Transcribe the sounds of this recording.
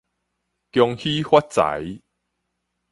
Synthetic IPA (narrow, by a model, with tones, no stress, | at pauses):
kjɔ˧ŋhi˦hwa˦˥t̚t͡sa̰˨˦j